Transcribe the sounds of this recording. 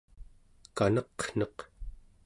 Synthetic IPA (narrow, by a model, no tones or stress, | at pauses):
kanʌqn̥ʌq